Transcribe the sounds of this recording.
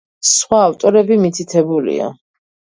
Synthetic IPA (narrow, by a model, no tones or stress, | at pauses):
sχwaːft̪ʼɔɾɛbimit̪ʰit̪ʰɛbulḭa̰